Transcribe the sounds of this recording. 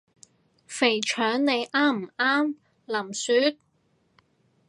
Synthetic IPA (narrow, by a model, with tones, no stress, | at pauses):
fe˨˩jt͡ʃʰœː˨˥ŋne˨˧jʔaː˥m̩˨˩ʔaː˥m | lɐ˨˩msyː˨˥t̪̚